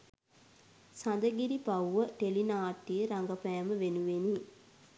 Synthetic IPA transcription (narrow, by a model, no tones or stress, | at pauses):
sand̪əɡiɾipauʋəʈelinaːʈːijəɾaŋɡapɛjaməʋenuʋeni